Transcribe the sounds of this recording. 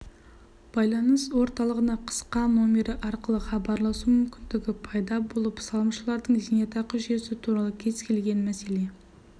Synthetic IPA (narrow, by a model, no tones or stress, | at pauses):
b̥ɑjlˠɑnəswo̞ɾt̪ɑlˠəʁənɑqʰə̥sqɑno̞mʲeɾɪʔɑɾqəlˠəχɑbɑɾlˠɑsumʏmkʲɪnd̪ɪɡʲɪpʰɑjd̪ɑbo̞lˠəpsɑlˠəmʃəlˠɑɾd̪əɴzinet̪ɑqəʒe̞sɪt̪ʰuɾɑlˠəkʲʰe̞z̥kʲʰe̞lɡʲe̞nmæse̞le̞